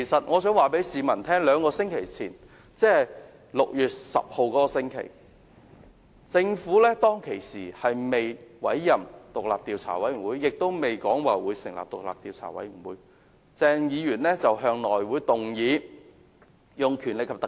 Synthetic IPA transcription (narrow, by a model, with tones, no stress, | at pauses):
kʰe˨˩jsɐ˨t̚ŋɔː˨˧sœː˨˥ŋwaː˨pe˨˥jsiː˨˧mɐ˨˩nt̪ʰɛː˥ŋlœː˨˧ŋkɔː˧sɪ˥ŋkʰe˨˩jt͡sʰiː˨˩n | t͡sɛː˥˩˨ | lʊ˨k̚jyː˨˩t̚sɐ̰˨p̚ho˧wkɔː˨˥kɔː˧sɪ˥ŋkʰḛ˨˩j | t͡sɪ˧ŋfuː˨˥lɛː˥t̪ɔː˥ŋkʰe˨˩jsiː˨˩hɐ˨jme˨jwɐ̰˨˥jːɐ˨mt̪ʊ˨k̚la̰ː˨p̚t̪iː˨˧wt͡sʰa̰ː˨˩wɐ˨˥jɥy˨˩nwuː˨˥jːɪ˨k̚t̪o˥wme˨jkɔː˨˥ŋwaː˨˩wuː˨˧jsɪ˨ŋla̰ː˨˩p̚t̪ʊ˨k̚laː˨p̚t̪iː˨wt͡sʰa̰ː˨˩wɐ̰˨˥jmy˨˩nwuː˨˥j | t͡sɛː˧ŋjiː˨˧jyː˨˩nlɛː˥t͡sɐ˨wɦœː˧ŋnɔː˨jwuː˨˥jt̪ʊ˨˩ŋjiː˨˧ | jʊ˨ŋkʰyː˨˩nlɪ˨kʰɐ˨p̚t̪ɐ˨